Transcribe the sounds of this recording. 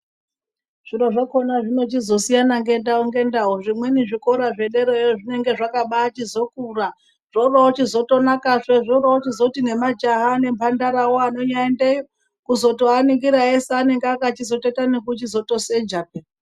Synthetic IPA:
ʐ̥iɾoʐakonaʐino̞t͡ʃizo̞sijanaŋɡe̞ndaoŋɡe̞ndaɦoʐimweniʐiko̞ɾaʐe̞ɗe̞ɾoejoʐine̞ŋɡe̞ʐakaɓaːt͡ʃizo̞kura | ʐ̥oraot͡ʃizo̞to̞nakaʂeʐoraot͡ʃizo̞tine̞mad͡ʒaɦane̞mpʰandaɾawoano̞ɲaende | kuzo̞to̞aniŋɡiɾaeseːne̞ŋɡeakat͡ʃizo̞tetanekut͡ʃizo̞to̞sed͡ʒap̚e

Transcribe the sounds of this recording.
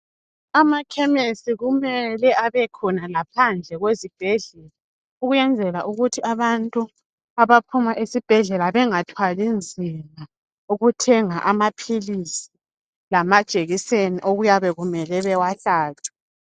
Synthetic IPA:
amakʰɛmesiɣumɛlɛʔaβɛkʰɔnalapʰand͡ɮʱɛɣwezib̥ʱɛɮɛla | uɣujɛnd͡zʱɛlaʔuɣutʰiʔaβantʼu | aβapʰumaʔisib̥ʱɛɮɛlaβɛŋatʰwalind͡zʱima | uɣutʰɛŋaʔamapʰilisi̥ | lamad̥ʒ̥ʱeɣiseniʔoɣujaβɛɣumɛlɛβɛwaɬaːtʰu̥

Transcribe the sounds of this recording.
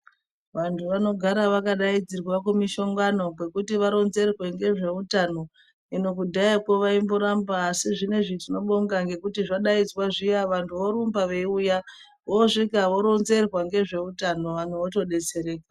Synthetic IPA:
ʋantʰuʋano̞ɡʱaɾaʋakaɗaid͡zirwakumiʃo̞ŋɡano̞kwe̞kutiʋaɾo̞nze̞rwe̞ŋɡe̞ʐe̞utano̞ | ino̞k̬udʱajakoʋaimboɾambaːsiʐine̞ʐitino̞ɓoŋɡaŋɡe̞kutiʐaɗaid͡zwaʐijaʋantʰuʋoɾumbaʋeiuja | ʋoʐikaʋo̞ɾo̞nze̞rwaŋɡe̞ʐe̞utano̞ʋan̤uʋoto̞ɗe̞t͡se̞ɾe̞ːkwa

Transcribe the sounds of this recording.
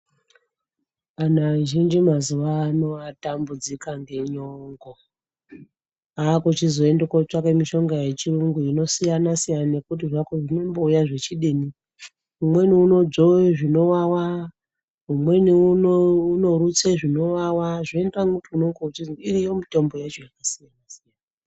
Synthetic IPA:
anaʒind͡ʒimazuʋaːno̞atambud͡zikaŋɡe̞ɲoŋɡo | aːkot͡ʃizo̞endekot͡ʃakemiʃo̞ŋɡaje̞t͡ʃiruŋɡuino̞sijanasijanane̞kut̬iʐakoʐino̞mbo̞ujaʐe̞t͡ʃiɗeni | umwe̞niuno̞d͡zoʐino̞wawa | ɦumwe̞niunouno̞ɾut͡seʐino̞wawaʐoendraŋkutiunoŋɡout͡ʃiiɾijomite̞mbo̞jat͡ʃojakasijanasijanaa

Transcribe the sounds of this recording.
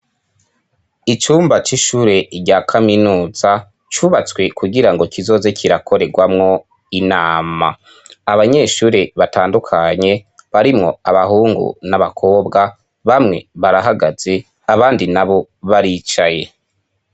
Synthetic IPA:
it͡ʃuːmbat͡ʃiʃuːɾe̞ɾɟaːkʰaminuːz̥a | t͡ʃuβat͡swe̞kuɡiɾaŋɡo̞kʰizo̞ːze̞kʰiɾakʰo̞ɾe̞ɡwamŋo̞ | inaːma̰ː | βaɲe̞ːʃuːɾe̞βataːndukʰaɲe̞βaɾimŋo̞̰aβaɦuːŋɡṵnaβakʰo̞ːbɡa | βamŋe̞βaɾaɦaɡaz̥e̞ | aβaːndinaβo̞βaɾiːt͡ʃaje̞

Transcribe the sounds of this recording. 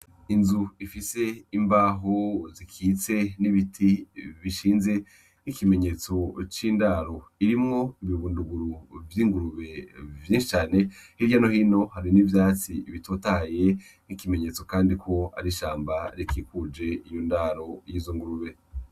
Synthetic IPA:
inzuifise̞imbaːɦozikʰiːt͡se̞niβitʰiβiʃiːnze̞ | nikime̞ɲe̞t͡so̞t͡ʃiːndaːɾo̞iɾimŋo̞iβiβuːnduɡuɾuvjiːŋɡuɾuβe̞vjiːnʃi̥t͡ʃaːne̞hiɾjano̞hiːno̞haɾinivjaːt͡siiβitotaje̞ | nikime̞ɲe̞t͡so̞kaːndikʰo̞a̰ɾiʃaːmbaɾikikud͡ʒe̞ijondaɾo̞jiːzoŋɡuɾuβe̞

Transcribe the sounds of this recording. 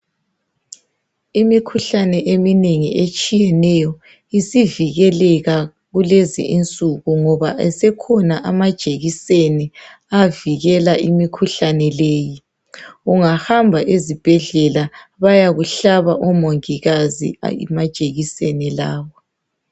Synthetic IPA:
imikʰuɬanɛʔemineŋiʔet͡ʃʼijɛnɛjɔ | isiviɣɛlɛɣa | ɣulezḭʔint͡sʼuɣuŋɔβaʔɛsɛkʰɔnaʔamad̥ʒ̥ʱeɣisenɛ | aviɣɛlaʔimikʰuɬanɛleːji | uŋahambʱaʔezib̥ʱɛɮɛlaβajaɣuɬaβaʔɔmoŋiɣazḭmad̥ʒ̥ʱʼeɣisɛnɛlaːβɔ

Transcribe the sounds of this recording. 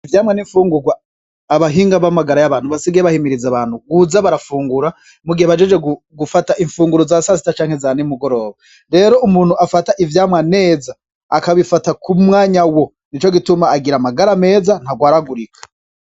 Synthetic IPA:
ivjaːmŋaniɱfuːŋɡuɾɡwaː | βaɦiːŋɡaβamaɡaɾajaβaːn̥huβasiɡeβahimiɾizaβaːn̥huɡuzaβaɾafuːŋɡuɾa | muɡiheβad͡ʒed͡ʒwe̞ɡu | ɡufataʔiɱfuːŋɡuɾozasas̬i̥tat͡ʃaːŋhe̞zanimuɡo̞ɾo̞ːβa | ɾe̞ːɾo̞ʔumuːn̥huafataʔivjaːmŋane̞ːzaː | kaβifatakumŋaːɲawo̞ | nit͡ʃoɡitumaːɡiɾamaɡaɾame̞ːzan̥haɡwaːɾaɡuɾikʰḁ

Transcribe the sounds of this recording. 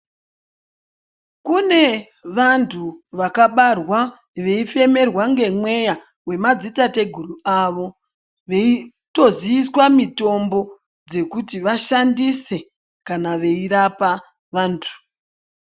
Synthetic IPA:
kune̞ | ʋantʰuʋakaɓarwa | ʋe̞ife̞me̞rwaŋɡe̞mwe̞ja | we̞mad͡zitate̞ɡʱuruaʋo̞ | ʋe̞i | to̞ziiswamito̞mbo̞ | d͡ze̞kutiʋaʃandise̞ | kanaʋe̞iɾapa | ʋaːntʰu̥

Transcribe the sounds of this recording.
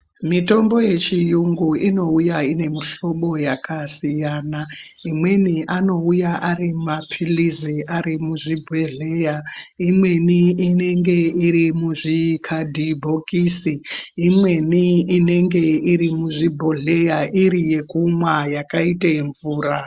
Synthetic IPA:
mito̞mbo̞je̞t͡ʃijuŋɡuino̞ujaine̞miɬo̞ɓo̞jakʰasijaːna | imwe̞niʔano̞ujaʔarimapʰiliziʔaɾimuʐibʱeɮejaimwe̞niine̞ŋɡe̞iɾimuʐikʰadʱibʱo̞kisiːmwe̞niine̞ŋɡe̞iɾimuʐibʱo̞ɮe̞jaʔiɾije̞kumwajakaitaɱvuːra

